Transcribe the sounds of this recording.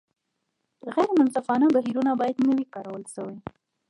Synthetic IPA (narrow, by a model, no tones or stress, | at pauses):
ɣajɾmʊnsafɑnabaɦiɾunabɑjad̪nəwikɑɾawəlʃəwi